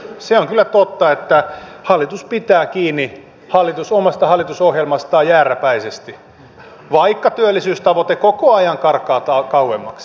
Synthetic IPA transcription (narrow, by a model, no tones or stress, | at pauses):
seoŋkylːˑæt̪ot̪ːɑet̪ːæhɑlːˑit̪uspit̪æːkiːnːi | hɑlːˑit̪usomɑst̪ɑhɑlːˑit̪usohjelmɑst̪ɑːjæːræpæisest̪i | ʋɑikːɑt̪yølːisyːst̪ɑʋot̪ekokoɑjɑŋkɑrkɑːt̪ɑkɑuwemːɑks